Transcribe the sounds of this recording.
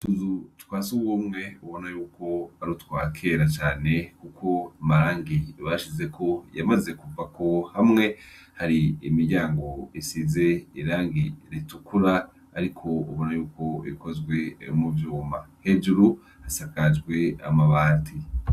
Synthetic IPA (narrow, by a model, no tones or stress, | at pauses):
tuzutkwaːsuwumŋe̞uβo̞najuːko̞aɾutwaːkʰe̞ːɾat͡ʃaːne̞kukʰo̞amaɾaːŋɡiβaʃize̞kʰo̞jamaze̞kuvako̞hamŋe̞ | haɾiimiɾɟaːŋɡo̞isize̞iɾaːŋɡiɾitukʰuɾaː | ɾikʰo̞ṵβo̞najuːko̞ḭkozɡwe̞muvjuːmahe̞d͡ʒuɾu | hasakad͡ʒɡwe̞a̰maβaːtʰi